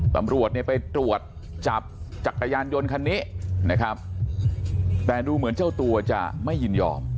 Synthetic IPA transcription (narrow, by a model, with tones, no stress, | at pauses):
t̪a̰˧mɾu˨˩ət̪̚ni˥˩əpa˧jt̪ɾu˨˩ət̪̚ | t͡ɕa˨˩p̚t͡ɕa˨˩kːa˧jaː˧njo˧nkʰa˧nːiː˦˥ʔna˦˥kʰɾa˦˥p̚ | t̪ɛː˨˩duː˧mɯ˩˦ənt͡ɕa˥˩wt̪u˧ɐt͡ɕa̰˨˩ma˥˩jːɯ˧˩njɔ̰ː˧m